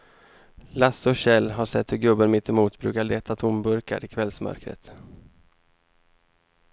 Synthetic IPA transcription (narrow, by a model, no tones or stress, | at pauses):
lasːɔɕɛlːɦaʂɛt̪ːhɵɾɡɵbːənmɪt̪ʰːɪmuːt̪bɾʉ̟ːkaɭeːt̪ʰat̪ʰʊmbɵɾka̰ɾɪkʰvɛlsmœ̰ɾkɾə̰t̪